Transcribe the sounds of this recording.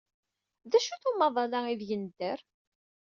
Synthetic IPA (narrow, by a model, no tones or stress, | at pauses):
ðæʃuθumɑðˤɑlaiðjənd̪ːəɾ